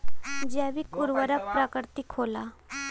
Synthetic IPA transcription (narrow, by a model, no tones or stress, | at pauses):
d͡ʒɛʋikʊɾʋəɾəpɾəkəɾt̪ikʰoːlaː